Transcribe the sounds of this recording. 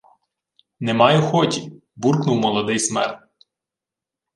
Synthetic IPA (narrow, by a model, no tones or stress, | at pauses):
nɛmɑjʊxɔtʲi | burknuwmɔlˠɔd̪ɪjsmɛ̰rt̪